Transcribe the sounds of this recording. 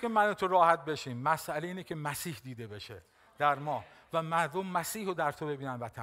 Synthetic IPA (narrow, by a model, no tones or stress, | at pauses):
emænet̪ʰoɾɒːhæt̪̚be̞ʃiːmːæsʔæleiːnecʰe̞mæsiːhd̪iːd̪e̞be̞ʃe | d̪̥æɾmɒːhvæmæɾd̪omːæsiːhod̪æɾt̪ʰobe̞biːnænvæt̪ʰæ